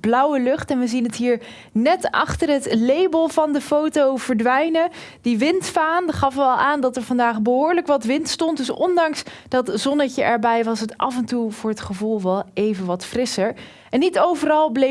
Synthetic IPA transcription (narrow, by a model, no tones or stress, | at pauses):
b̥lʌwəlʏχtɛnʋəzinɦətɦiːɹ | nɛtɑ̰χtərɦətlejbəlˠvɑndəfowtowv̥əɹdʋɛjnəd̥iʋɪntfaːndχɑfəɛlˠʔaːndɑtəɹvɑndaːχbəɦʊːɹləkʋɑtʋɪntstɔntdɵsɔ̰ndɑŋsd̥ɑtzɔnəcəʔɛɹbɛjʋɑsətʔɑ̰vɛntuv̥ʊːɹɦətχəvulˠʋɛlˠejvənʋɑtfrɪsəɹ | ʔɛnːitowvərɑlˠble